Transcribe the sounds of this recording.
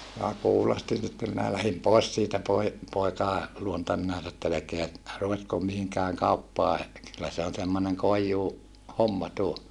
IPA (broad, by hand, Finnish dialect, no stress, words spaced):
minæ kuːlostin sitːe minæ læhim poˑes siːtæ poi poikɑˑe luontɑ minæ etː elekeæ ruʋetkom mihiŋkæːŋ kɑupːɑː kylːæ se on semːoneŋ koijːuː homːɑ tuo